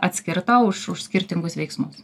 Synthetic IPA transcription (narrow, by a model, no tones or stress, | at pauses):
ɐt̪ʲsʲkʲɪɾt̪ɐʊʃʊʃsʲkʲɪɾʲt̪ʲɪŋɡʊsʋʲɛɪksmʊs